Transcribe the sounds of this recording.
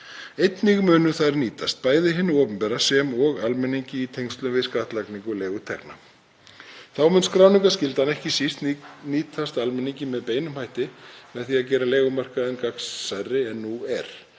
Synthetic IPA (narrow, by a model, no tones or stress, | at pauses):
ejt̪nɪɣmʏːnʏθaðɾniːt̪ʰast̪̚paːjðɪɦɪnːʏɔːpʏmpɛɾasɛmɔɣalmɛnːiɲcɪit̪ʰejŋst̪lʏmvɪðskaːht̪lakniŋkʏleːɣʏt̪ʰɛ̰kna̰ | θawmʏnskɾawniŋkascɪlt̪anɛhcɪsist̪nniːt̪ʰast̪almɛniɲcɪmɛðpeːjnʏmhajht̪ɪmɛðθiaðcɛːɾaleːɣʏmar̥kaɛnkaksːajrːɪɛnːuɛɾ̥